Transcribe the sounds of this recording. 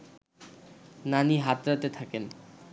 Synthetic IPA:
naniɦat̪ɾat̪et̪ʰaken

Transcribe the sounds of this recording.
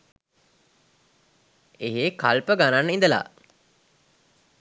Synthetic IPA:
eɦeːkalpəɡananːəind̪əla̰

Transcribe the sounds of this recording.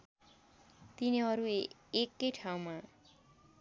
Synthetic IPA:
t̪iniɦʌɾu | ekːʌjʈʰaw̃ma

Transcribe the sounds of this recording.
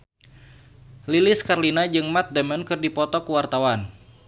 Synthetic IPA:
lilɪskarlinad͡ʒɨŋmat̪̚dɛmənkɨrdipɔt̪ɔkuwart̪awan

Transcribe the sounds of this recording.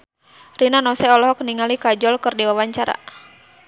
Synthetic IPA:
rinanɔsɛɔlɔɦɔkniŋalikad͡ʒɔlkɨrdiwawaɲt͡ʃaɾa̰

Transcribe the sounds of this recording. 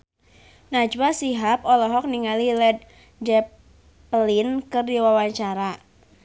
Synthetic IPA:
nad͡ʒbasiɦap̚ɔlɔɦɔk̚niŋalilɛd̪̚ | d͡ʒɛ | plinkɨrdiwawaɲt͡ʃaɾa

